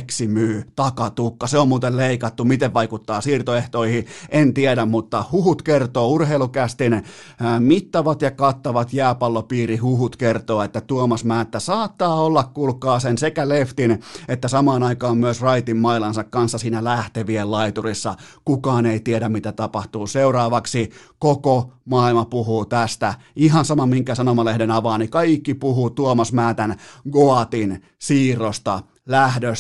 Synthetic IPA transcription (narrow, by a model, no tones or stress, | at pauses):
ksimyːt̪ɑkɑt̪ukːɑseommuːt̪elleikɑt̪ːumit̪eʋʋɑikut̪ːɑːsiːrt̪oeht̪oihiʔent̪ieɾæmmut̪ːɑhuhut̪kert̪oːurheilukæst̪in | mit̪ːɑʋɑt̪jɑkɑt̪ːɑʋɑt̪jæːpɑlːopiːrihuhut̪kert̪oːet̪ːæt̪uomɑsmæːet̪ːæsɑːt̪ːɑːolːɑkkulkɑːsensekæleft̪inet̪ːæsɑmɑːnɑikɑːmmyøsrɑit̪immɑilɑnsɑkkɑnsːɑsiːnælæht̪eʋiellɑit̪urisːɑkukɑːneit̪iedæmmit̪æt̪ɑpɑht̪uːseurɑːʋɑksikokomɑilmɑpuhuːt̪æst̪æ | iɦɑnsɑmɑmmiŋkæsɑnomɑlehdenɑʋɑːnikɑikːipuhut̪uomɑsmæːt̪ænɡoɑt̪in | siːrost̪ɑ | læhdøs